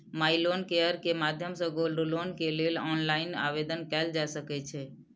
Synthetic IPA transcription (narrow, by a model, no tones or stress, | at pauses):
mailonkeəɾkemad̪ʱjəmsə̃ɡolɖlonkelelɔnlaɪna̰ʋed̪ənkɛld͡ʒasəket͡ʃʰe